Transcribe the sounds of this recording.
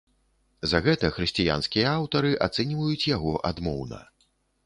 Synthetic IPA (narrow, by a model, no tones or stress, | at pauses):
zɐɣɛt̪ɐxɾɨsʲt͡sʲija̰nskʲijɐawt̪ɐɾɨʔat̪sɛnʲivɐjut͡sʲjaɣɔʔad̪mɔwnɐ̰